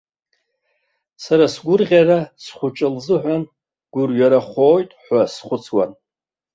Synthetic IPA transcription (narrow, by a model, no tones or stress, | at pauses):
saɾasɡʷʊrʁʲarasχʷʊt͡ʃʼɪlzɨħᶣʷan | ɡ̥ʷʊrjaɾaχʷo̞ːjtʼħʷasχʷʊt͡sʰwa̰n